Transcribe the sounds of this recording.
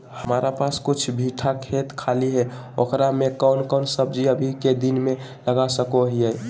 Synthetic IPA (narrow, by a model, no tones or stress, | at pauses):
həmaɾapaskʊt͡ʃʰbʱiʈʰakʰet̪kʰaliɦɛ | okɾamekəʊnkəʊnsəb̚d͡ʒiəbʱiked̪inme | ləɡasəkoɦiɛ